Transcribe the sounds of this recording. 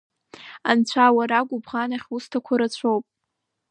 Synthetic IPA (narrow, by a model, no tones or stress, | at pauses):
ant͡ɕʷʰawaɾaɡʷʼʊbʁanaχʲustʰakʷʰaɾat͡ɕʷʰowpʼ